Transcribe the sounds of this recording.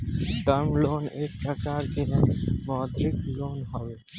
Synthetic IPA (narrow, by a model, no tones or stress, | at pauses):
ʈəɾmloːneːk̚pɾəkaːɾkiɦɛ̃mɔːd̪ɾɪkloːnɦoʋe